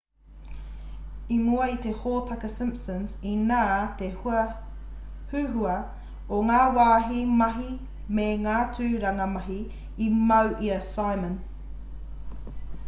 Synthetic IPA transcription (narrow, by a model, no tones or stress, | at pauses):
imuɐit̪ehoːtʰɐkəsɪ̃mpsə̃nsinaːt̪ehuɐ | hʉːɦuɐ | oŋaːwaːɦimɐɦi | meŋaːtʰʉːɾɐŋɐmɐɦiː | mɐwʔiɐsajmə̃n